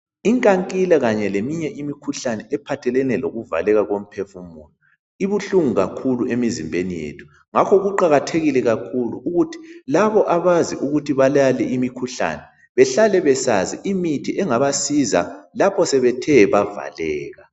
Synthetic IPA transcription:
iŋkʼaŋkʼilaɣaɲɛlemiɲɛʔimikʰuɬanɛɛpʰatʰɛlɛnɛloɣuva̰lɛɣaɣom̩pʰɛfumuːnu | iβuɬuŋuɣakʰuluʔemizimbʱenijḛtʰu̥ | ŋakʰɔɣuǃaɣatʰeɣilɛɣakʰulṵuɣutʰi̥laβɔʔaβaziʔuɣutʰiβalalɛʔimikʰuɬa̰nɛ | βɛɬalɛβɛsaziʔimitʰiʔɛŋaβasiza̰lapʰɔsɛβɛtʰɛβava̰lɛːɣa

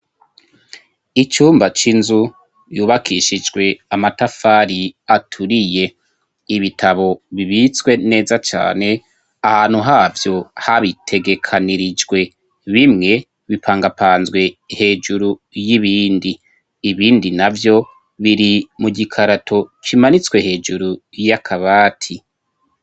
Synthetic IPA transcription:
it͡ʃuːmbat͡ʃinzu | juːβakʰiʃid͡ʒɡwe̞amatafaːɾiatʰuɾije̞ | iβitʰaβo̞βiβit͡swe̞ne̞ːzat͡ʃa̰ːne̞ | ahaːn̥huɦaːvjo̞haβitʰe̞ɡe̞kʰaniɾid͡ʒɡwe̞ | βimŋe̞ | βipʰaːŋɡapʰaːnzɡwe̞he̞ːd͡ʒuɾujiβiːndiː | βiːndinavjo̞ | βiɾimuɟikʰaɾatʰo̞kimanit͡swe̞he̞ːd͡ʒuɾujakʰaβaːtʰi

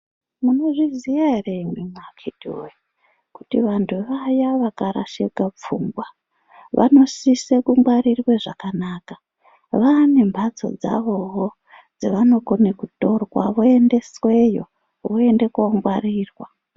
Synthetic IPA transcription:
muno̞ʐizijareimwimwakʰetḭe | kutiʋantʰuʋajaʋakaɾa̰ʃekap͡fuːŋɡwa | ʋʔa̰no̞sisekumɡwaɾirweʐakanaːka | ʋane̞mbʱad͡zo̞̰d͡za̰ʋo̞ɦo | d͡zeʋano̞konekuto̞rwa̰ʋoende̞swe̞jo̰ | ʋoende̞koŋɡwariːrwa

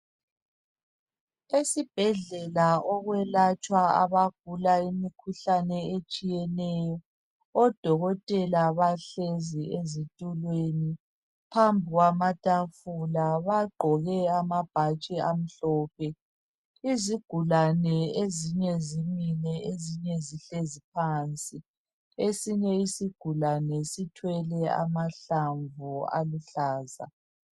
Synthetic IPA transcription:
esib̥ʱɛɮɛlaɔɣwɛlat͡ʃʼwaa̰βaɡ̥̚ʱulaimikʰuɬanɛet͡ʃʼijɛnɛjɔ | ɔd̥ʱɔɣɔtʼɛlaβaɬeziezitʼulweni | pʰambʱiɣwamatʼafulaβaɡ͡ǃʱɔɣɛamab̥ʱat͡ʃʼɛam̩ɬɔːpʰɛː | ziɡ̥ʱulanɛeziɲɛzimilɛeziɲɛziɬezip̚ʰaːnt͡sʼi | esiɲɛisiɡ̥ʱulanɛsitʰwɛlɛa̰maɬaɱvua̰luɬaːza̰

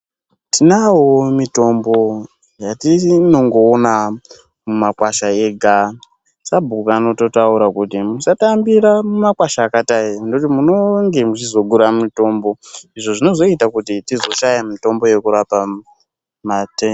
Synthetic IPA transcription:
tinawomito̞mbo̞ | jatino̞ŋɡo̞ːna | mumakwaʃaeɡʱa | sabʱukano̞to̞tauɾakutimusatambiɾamumakwaʃaːkataindot̬imuno̞ŋɡe̞mut͡ʃizo̞ɡuɾamito̞ːmbo̞iʐo̞ʐino̞zo̞itakutitizo̞ʃajamito̞mbo̞je̞kuɾapa | mate

